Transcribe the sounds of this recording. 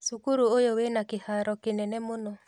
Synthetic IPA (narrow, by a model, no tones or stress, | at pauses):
sukuɾuojowenakehaɾɔkenɛnɛmonɔ